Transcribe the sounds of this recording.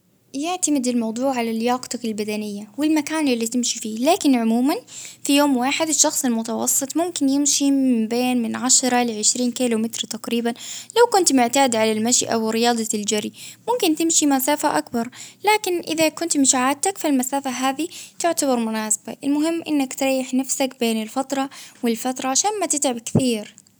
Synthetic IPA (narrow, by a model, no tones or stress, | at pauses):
jɪʕt̪amɪd̪ɪlmɑwd̪ˤuːʕalalːjaːɡt̪ɑkɪlbad̪anɪjːawɪlmakaːnɪlːit̪ɪmʃifiːlaːkɪnʕʊmuːmanfijoːmwaːħɪd̪ɪʃːɑxsˤɪlmʊt̪ɑwɑ̰sˤːɨt̪ˤmʊmkɪnjɪmʃimɪmbeːnmɪnʕaʃɑɾˤɑlɪʕɪʃɾiːnkiːlʊmɪt̪ɾt̪aqɾiːbanlawkʊnt̪mʊʕt̪aːd̪ʕalalmaʃʔa̰wɪɾɪjɑːd̪ˤɑld͡ʒaɾimʊmkɪnt̪ɪmʃimasaːfaʔakbɑɾˤlaːkɪnʔɪðakʊnt̪mɪʃʕaːd̪̚t̪akfilmasaːfaɦaːðit̪ʊʕt̪aβɑɾˤmʊnaːsḁba̰ʔɪlmʊɦɪmːʔɪnːakt̪ɾˤɑːjːɪħnafsakbeːnɪlfɑt̪ɾˤɑwɪlfat̪ɾˤɑʕaʃaːnmat̪ɪt̪ʕɪbkθiːɾ